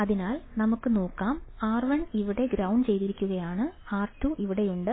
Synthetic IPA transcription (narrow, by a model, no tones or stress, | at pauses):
ɐðinaːlnɐmukːɨno̞ːkːaːmaːrʋɐɳiʋiɽe̞ɡɾɐwɳɖt͡ɕe̞jt̪iɾikʲːuɣɐjaːɳɨaːrtːuʔiʋiɽe̞juɳɖɨ